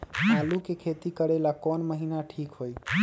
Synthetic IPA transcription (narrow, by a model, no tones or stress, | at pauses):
alukekʰet̪ikəɽelakɔnməɦinaʈʰikɦoj